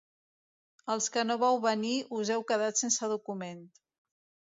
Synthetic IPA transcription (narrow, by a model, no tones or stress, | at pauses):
əlˠskənoβawβəniuzɛwkəðat̪sensəðukument̪